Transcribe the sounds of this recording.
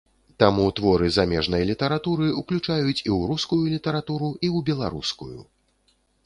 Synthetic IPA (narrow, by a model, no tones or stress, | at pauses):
t̪amut̪vɔɾɨzamʲɛʐnɐjlʲit̪ɐɾat̪uɾɨuklʲut͡ʂajut͡sʲiwɾuskujulʲit̪ɐɾat̪uɾuiwbʲɛlˠa̰ɾṵskṵjṵ